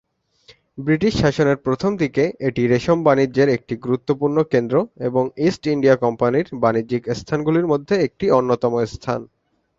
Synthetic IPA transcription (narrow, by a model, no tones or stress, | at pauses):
bɾiʈiʃʃaʃoneɾpɾot̪ʰomd̪ʱikeeʈiɾeʃombanid͡ʑeɾek̚ʈiɡuɾut̪ːopuɾnokend̪ɾoeboŋisʈiɳɖiakɔmpaniɾbanid͡ʑikst̪ʰanɡuliɾmod̪ʱːeek̚ʈionːot̪ɔmoest̪ʰa̰n